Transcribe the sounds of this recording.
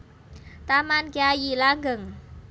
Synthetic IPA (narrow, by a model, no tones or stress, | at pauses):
t̪amankiajilaŋɡəŋ